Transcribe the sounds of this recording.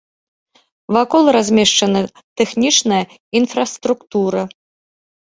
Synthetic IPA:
vakɔlˠrazʲmʲɛʂt͡ʂɐnɨ | t̪ɛxnʲit͡ʂnɐjɐ | infrɐst̪ɾukt̪uɾɐ

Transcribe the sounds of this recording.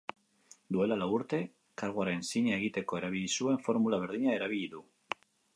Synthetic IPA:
d̪ue̞lalauɾt̪e̞ | kaɾɣuaɾensiɲaeɣ̞it̪e̞ko̞e̞ɾaβ̞iʎisue̞ɱfo̞ɾmulaβ̞e̞ɾðiɲae̞ɾaβ̞iʎiðu

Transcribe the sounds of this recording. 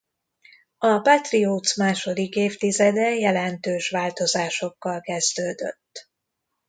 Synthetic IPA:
ɒpat̪rioːt̪smaːʃo̞d̪ikeːft̪izɛd̪ɛjɛlɛnt̪øːʃʋaːlt̪o̞zaːʃo̞kːɒlkɛzd̪øːd̪ø̰t̪ː

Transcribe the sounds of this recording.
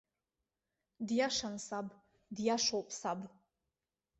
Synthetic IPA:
djaʂansab | djaʂowpʼʰsab

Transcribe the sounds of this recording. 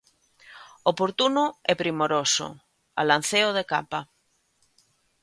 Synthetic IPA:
opoɾt̪unʊɛpɾimoɾosʊ̰ | a̰lan̟θeoðeka̰pa

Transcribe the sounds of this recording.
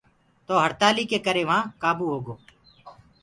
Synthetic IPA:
t̪oːɦəɾt̪aːliːkekəɾeːʋəɦãːkaːbuːɦoːɡoː

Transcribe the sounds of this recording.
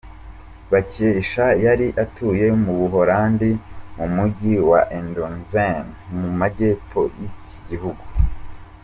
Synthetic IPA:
βacieiʃajaɾiʔatuje̞muβuɦoɾaːndimumuɟiwa̰ʔendonvenmumaɟe̞ːpo̞jiciɟiɦuɡu

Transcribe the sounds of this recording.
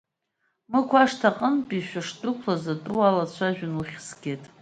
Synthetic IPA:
mɨkʷʰaʂtʰaqʼənpʼiʃʷᶣaʂtʼʊkʷʰlazatʼɨwalat͡ɕʷʰaʒᶣanuχʲsɡʲejtʼ

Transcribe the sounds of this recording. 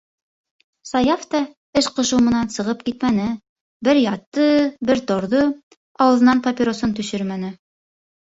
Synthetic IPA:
sɑjɑft̪ɑ | ɘʃqɤ̆ʃɤwmɤ̆nɑnsɤ̆ʁɤp̚kit̪mænɘ | bɘɾjɑt̪ːɤbɘɾt̪oɾðɤ | ɑwɤ̆ðɤ̆nɑnpapʲiɾosont̪ɵ̆ʃɘɾmænɘ

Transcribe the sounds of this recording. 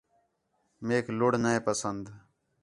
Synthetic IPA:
meːkʰlʊɽnəẽːpəsənd̪

